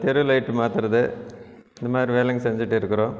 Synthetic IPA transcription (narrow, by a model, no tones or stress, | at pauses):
t̪ɛɾɯlɐɪʈːɯmaːt̪ɪɾɐðɯ | ɪnd̪ɐmaːd̪ɾiʋeːlɛŋɡsɛɲd͡ʒɪʈːɪɾɯkːɯɾõː